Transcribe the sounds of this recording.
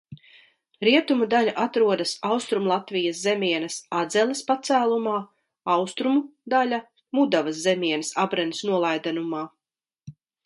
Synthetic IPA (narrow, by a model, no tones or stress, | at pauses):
ɾiɛt̪umud̪aʎʲaʔat̪ɾuɔd̪ɐsawst̪ɾumlˠat̪vijɐszɛmʲiɛnɐsad̪zɛlʲˠespat̪sæːlˠumaː | awst̪ɾumud̪alʲa | mud̪avɐszɛmʲiɛnɐsabɾɛnisnuɔlˠajd̪anumaː